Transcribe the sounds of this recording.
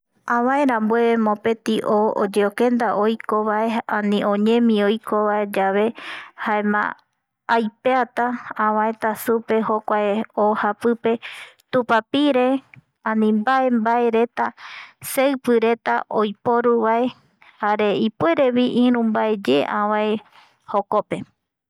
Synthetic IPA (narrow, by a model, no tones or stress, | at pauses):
ãβãẽɾãmbweemõpẽ̞t̪iʔood͡ʒeokẽ̞nd̪aʔojko̞βaeãnĩõ̞ɲẽ̞mĩojkʰoβaed͡ʒaβe̞haemã̰ː | jpeat̪aãβãẽ̞t̪asupe̞ho̞kʷaeohapɨpe̞t̪upapiɾe̞ | ãnĩmbaʔe̞mbae̞ɾe̞t̪asewpɨɾe̞t̪a̰ʔojpo̞ɾuβae̞ | haɾe̞ipwe̞ɾe̞βiʔĩɾũmbae̞d͡ʒeʔã̰wãe | hoko̞pe̞